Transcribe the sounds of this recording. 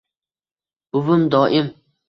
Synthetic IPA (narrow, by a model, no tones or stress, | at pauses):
ʊvʊmd̪ɒːʔɪm